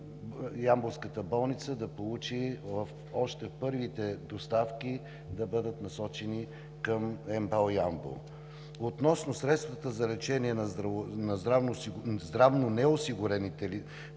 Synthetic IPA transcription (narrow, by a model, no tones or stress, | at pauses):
jamboskət̪əbɔlˠnit̪səd̪ɐpolˠut͡ʃivəf | ɔʃt̪ɛpɤɾvit̪ɛd̪ost̪afkʲi | d̪ɐbɤd̪ət̪nɐsɔt͡ʃɛni | kəmɛmbalˠjambo̰ | ot̪nɔsnosɾɛt̪st̪vət̪əzɐlɛt͡ʃɛniɛnɐnɐzd̪ɾavnozd̪ɾavnonɛosiɡʊɾɛnit̪ɛli